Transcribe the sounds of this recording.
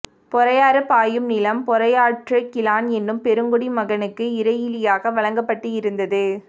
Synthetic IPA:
pɔɾɐjaːɾɐpːaːjɯmnɪlɐmpɔɾɐjaːʈrɯkɪlaːnɛnːɯmpɛɾɯŋɡɔɽimɐɣɐnɯkːɯɪɾɐjɪlɪjaːɣɐʋɐɭɐŋɡɐpːɐʈːɯjɪɾɯnd̪ɐðɯ

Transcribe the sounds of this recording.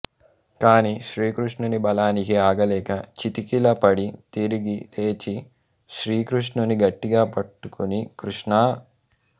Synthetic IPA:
kaːniːʃɾiːkɾuʂɳunibɐlaːnikiaːɡɐlɛːkɐt͡ʃit̪ikilɐpɐɽit̪iɾiɡieːt͡ʃi | ʃɾiːkɾuʂɳuniɡɐʈːiɡaːpɐʈːukunikɾuʂɳaː

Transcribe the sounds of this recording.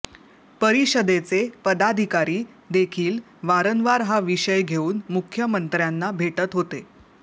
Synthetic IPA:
pəɾiɕəd̪et͡sepəd̪ad̪ʱikaɾiː | d̪ekʰiːl | ʋaɾənʋaɾɦaʋiɕəjɡʱeuːnmukʰːjəmənt̪ɾjanːabʱeʈət̪ɦot̪e

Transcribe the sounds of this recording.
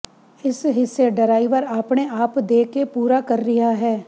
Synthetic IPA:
ɪsɦɪsːeɖəɾaːipəɾaːpɳeaːpd̪eːkepuːɾakɐɾːɪɦaɦɛː

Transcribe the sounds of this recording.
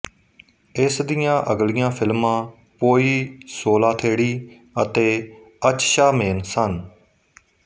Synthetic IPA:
ɪsd̪ɪjãːʔəɡlɪjãːpʰɪlmãː | poːiːsoːlãːt̪ʰeːɽiː | ət̪eː | ət͡ʃʃaːmeːnsən

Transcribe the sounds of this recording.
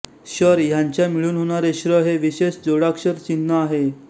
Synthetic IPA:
ɕəɾjãɲt͡ɕjamiɭuːnɦoɽ̃aɾeɕɾəɦeʋiɕeɕd͡zoɽakɕəɾt͡ɕinːəaɦe

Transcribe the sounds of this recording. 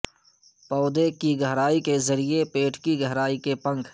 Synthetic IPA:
pɔːd̪ekiɡəɦɾaːikezɐɾiepeːʈʰkiɡʱəɦɾaːikepə̃ŋkʰ

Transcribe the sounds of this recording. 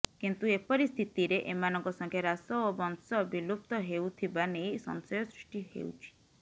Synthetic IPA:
kint̪uepɔɾist̪ʰit̪iɾeʔemanɔŋkɔsɔŋkʰjeɾasɔobɔnsɔbʱilup̚t̪ɔɦewt̪ʰibanejsɔ̰nsɔjɔsɾiʂʈihḛwt͡ʃʰi̥

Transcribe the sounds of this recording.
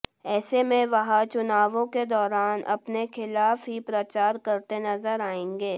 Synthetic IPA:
ɛːsemẽʋɐɦãt͡ʃʊnaːʋõked̪ɔːɾaːnʔɐ̰pnexʰɪlaːfɦipɾɐt͡ʃaːɾkɐɾt̪enɐzəɾaːẽːŋɡeː

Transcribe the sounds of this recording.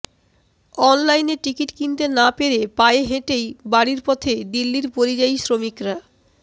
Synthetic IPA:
ɔnlajneʈikiʈkint̪enapeɾepaeɦẽʈejbaɽiɾpɔt̪ʰed̪ilːiɾpoɾid͡ʑajsɾomikɾa

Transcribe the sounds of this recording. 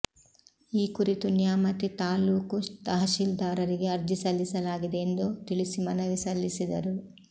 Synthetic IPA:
iːkuɾit̪unjaːmɐt̪it̪aːluːkut̪ɐɦɐʃiːld̪aːɾɐɾiɡe̞ɐɾd͡ʒisɐlːisɐlaːɡid̪eːnd̪ut̪iɭisimɐnɐʋisɐlːisid̪ɐɾu

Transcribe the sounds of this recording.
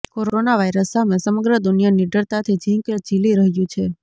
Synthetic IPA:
koɾonaʋajɾəsːamesəməɡɾəd̪unijaniɖʱəɭt̪at̪ʰid͡ʒĩŋkd͡ʒiliɾəɦjũt͡ʃʰe

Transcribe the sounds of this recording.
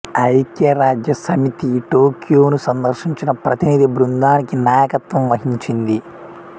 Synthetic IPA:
ɐjk̪jɐɾaːd͡ʒjɐsɐmit̪iʈo̞ːkjoːnusɐnd̪ɐɾʃiɲt͡ʃinɐpɾɐt̪inid̪ibɾund̪aːnikinaːjɐkɐt̪ʋɐmʋɐɦiɲt͡ʃind̪i

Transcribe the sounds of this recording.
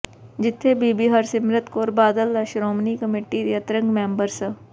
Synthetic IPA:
d͡ʒɪt̪ʰːebiːbiɦəɾsɪmɾət̪koːɾbaːd̪əlːɐʃɾoːmnikəmeːʈid̪eɐt̪ɾə̃ŋɡmẽːmbəɾsə

